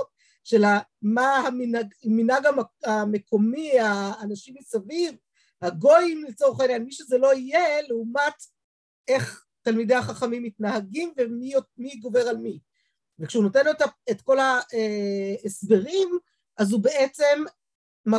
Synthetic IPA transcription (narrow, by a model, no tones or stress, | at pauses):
ʃelamahaminaɡminhaɡaame̞kʰo̞miaːnaʃimisaviv | haɡo̞jmlet͡so̞ʁχaenjanmiʃezelo̞ijeleumat | e̞χ | talmide̞jaχaχamimːitnahaɡimvemimiɡo̞veʁalmi | vekʃeunotenloetaetko̞laeesbe̞ʁim | ʔazubeʔet͡se̞mː | a